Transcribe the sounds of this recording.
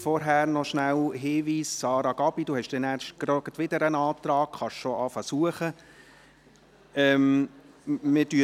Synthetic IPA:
fɔɾɦæːɾnɔʃnæwɦɪːʋiːsːɑːɾɑɡ̥ɑb̥id̥̪uhɛʃd̥ɛnæɾʃt̚ɡ̥ɾɔɡət̪ʋɪd̪əɾənɑːt̪ɾɑːkχɑʃʃɔʔɑːfɑsuəχə | ɛm | mɪdy

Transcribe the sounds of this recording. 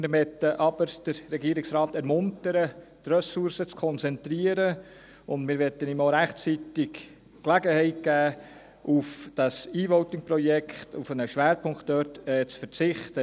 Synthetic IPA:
mɛtːəʔɑb̥əɾd̥əɾːɛɡiəɾɪksɾɑːtɛɾmʊntəɾətrœsuɾsət͡skʰɔnt͡sɛntɾiːəɾə | ʊndmɪːɾʋɛtːənimoɾæχtt͡sitɪk | klæɡəhɛɪt̚ɡ̥æː | ʔufd̥ɑsiːvɔwtɪŋprɔjɛkʰχtufənəʃʋæːɾpʰʊŋktdøːɾtɛt͡sfəɾt͡sɪχtə

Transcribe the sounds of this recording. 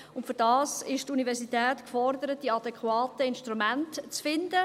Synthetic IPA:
ʊntfʏɾdɑːsɪʃtunivɛɾsitɛːtkfɔrdəɾət̚diɑdɛkχwɑːtəɪnʃtɾumæntt͡sfɪndə

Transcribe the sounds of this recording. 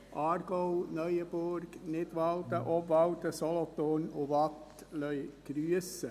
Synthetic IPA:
ʔɑːɾɡ̥ɔʊnœʏəbʊɾɡnɪt̪ʋɑlt̪əʔɔpvɑwt̪əsɔlɔt̪onʊʋɑt | lœʏɡ̥ɾyəsə

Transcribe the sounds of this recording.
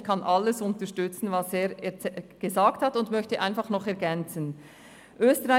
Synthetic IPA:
kʰanʔalːəsʊntəʃtʏt͡sn̩vaseːʁɛɡ̥əzaːkthatʊndmœçtəʔaɪnfaχnɔχɛɐɡɛnt͡sn | ʔøːstəʁa

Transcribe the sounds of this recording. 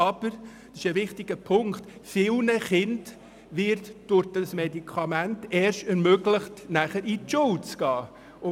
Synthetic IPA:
ɑb̥əɾ | d̥sɪ̥ʃəʋɪχtɪɡ̥əpʰʊŋktfɪlnəχɪnd | ʋɪɾtd̥ʊd̥ɑsmedikʰɑmæntɛːɾʃtɛɾmøɡlɪχtnæχəɾʔitʊwt͡sɡ̥ɑː | ʊ

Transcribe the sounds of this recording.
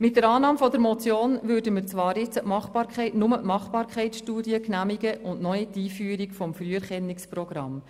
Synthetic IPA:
mɪt̚dəɾɑːnɑːmfɔdəɾmɔt͡sjoːnʋʏɾdəmɪɾt͡sʋɑːɾjɪt͡səʔmɑχb̥ɑːɾkχɛɪtnʊməʔmɑχbɑːɾkʰχɛɪt͡ssʃtuːdjəknæmiɡəʔʊntnɔjitiːfyːəɾikfɔmfɾyəɾχɛnːɪksprɔɡ̥ɾɑ̰m

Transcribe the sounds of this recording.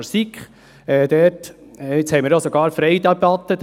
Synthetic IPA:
ɾsikχ | ɛːd̥̪ɛtː | ɪt͡shɛɪmɪɾjosoɡɑːɾfɾɛɪd̪ɑpɑt̪əd̪

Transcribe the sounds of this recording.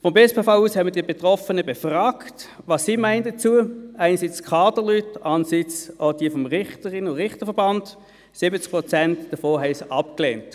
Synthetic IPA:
fɔmbɛspefaʊuːshɛmədiːbetʁɔfənəbefʁaːkt | vɑsːiːmæɪndət͡suəæɪnsit͡skʰɑːdəlytɑnəsit͡sod̥iːəfɔmʁɪχtəʁɪnʊʁɪχtəfɛɐbɑnd | sɪbət͡sk̚pʁɔt͡sɛntd̥ɐfoːɦɛɪsɑpklɛ̰ːnt

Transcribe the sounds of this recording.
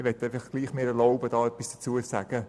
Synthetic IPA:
ʋɛtːeɪfɑχɡ̥liːχmeːɾɛloʊbədɑːœpisd̥at͡suːəsaɡ̥ə

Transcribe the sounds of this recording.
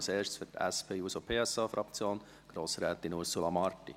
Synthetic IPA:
seːʃtsfytɛ̰spʰeːuːsopʰeːɛsɑːfɾʔɑkt͡sjoːn | ɡ̥ɾoːsɾɛːt̪inuɾsulɑmɑrtḭ

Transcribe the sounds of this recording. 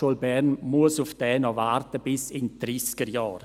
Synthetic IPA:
olbɛnmuəsʊfd̥ɛːnɔvartəbɪsɪnd̥ɾiːskəɾjɑːɾ

